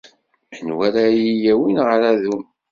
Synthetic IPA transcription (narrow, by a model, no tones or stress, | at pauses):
ənwæɾajijæwinʁɾæðum